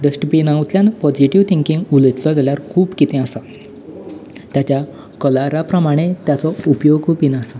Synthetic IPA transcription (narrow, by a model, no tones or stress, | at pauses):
ɖəsʈəpinawt̪ljanpɔd͡ʑiʈiʋt̪ʰiŋkĩŋɡulət̪lɔɡ̪eljaɾkʰuːbkit̪ẽasa | t̪jat͡ɕja | kəlaɾapɾəmaɽ̃et̪jat͡sɔupjoɡpinasa